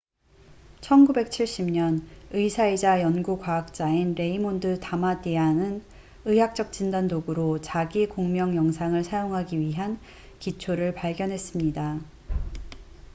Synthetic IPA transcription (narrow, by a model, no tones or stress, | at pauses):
t͡ɕʰʌnɡube̞k̚t͡ɕʰiɭɕ͈imɲʌnɯisʰaid͡ʑajʌnɡukwaːk̚t͡ɕ͈ainɾe̞imondɯtamadeanɯn | ɯjak̚t͡ɕ͈ʌk̚t͡ɕ͈indandoɡɯɾot͡ɕaɡikoŋmjʌŋjʌŋsʰaŋɯɭsʰajoŋɦaɡiɥiɦan | kit͡ɕʰoɾɯɭpaɭɡjʌnɦe̞s͈ɯmɲida